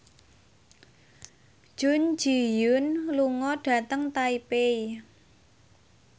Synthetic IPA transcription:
d̥ʒ̥ʊ̤n̥d͡ʒ̥ijʊnluŋɔɖ̥ä̤t̪əŋt̪aipei

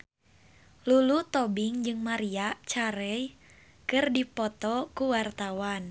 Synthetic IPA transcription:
lulut̪ɔbiŋd͡ʒɨŋmaɾiat͡ʃaɾɛj | kɨrdipɔt̪ɔkuwart̪awan

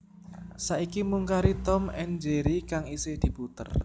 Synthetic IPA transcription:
saʔikimuŋkaɾit̪ɔmɛnd͡ʒeɾikaŋised̪̥i̤put̪ə̰r

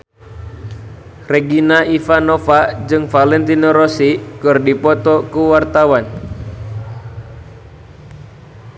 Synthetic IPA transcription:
reɡinaifanofad͡ʒɨŋfalɛnt̪inoɾosikɨrdipɔt̪ɔkuwart̪awan

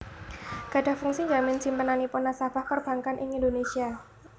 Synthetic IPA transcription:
ɡ̥a̤ɖ̥a̤hfuŋsiɲd͡ʒamɪnd͡ʒ̥i̤mpənaniponasab̥ahpərb̥a̤ŋkanʔɪŋind̪onesia

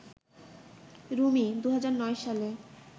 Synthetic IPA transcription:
ɾumid̪uɦad͡ʑaɾnɔeʃale

